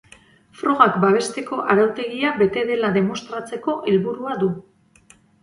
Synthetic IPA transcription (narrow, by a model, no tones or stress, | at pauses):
fɾo̞ɣakbaβ̞e̞st̪e̞ko̞ʔaɾawt̪e̞ɣiaβbe̞t̪e̞ðe̞laðe̞mo̞st̪ɾat͡se̞ko̞ʔelβuɾuaðu